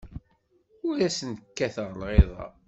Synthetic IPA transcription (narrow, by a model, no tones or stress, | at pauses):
ʊɾæsənəkːæθəʁlʁeðˤɑ̰